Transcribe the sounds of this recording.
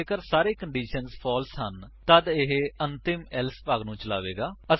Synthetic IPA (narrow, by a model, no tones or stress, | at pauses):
kəɾsaːɾeːkəɳɖiːʃənzpʰɔːlsɦənt̪əd̪ɪɦənt̪ɪmɛlspaːɡnũːt͡ʃəlaːʋḛːɡaːə